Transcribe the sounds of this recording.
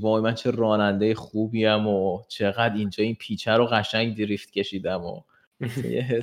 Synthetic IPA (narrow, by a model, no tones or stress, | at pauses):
bɒːemænt͡ʃʰerɒːnænd̪ejeχuːbiæmot͡ʃʰe̞ɣæd̪ind͡ʒɒːinpʰiːt͡ʃʰæɾoɣæʃæŋɡd̪iɾiːft̪cʰʲe̞ʃiːd̪æmo̰ | jeɦe